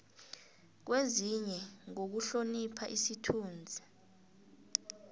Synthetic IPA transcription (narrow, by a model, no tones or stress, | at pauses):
k̬weziɲɛŋok̬uɬonipʰa̰ʔisitʰuːnd͡zʱa